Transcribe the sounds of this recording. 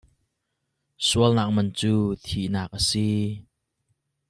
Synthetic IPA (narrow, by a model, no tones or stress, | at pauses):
suəlnak̚mɐnt͡suːt̪ʰiʔnaːk̚ʔəsi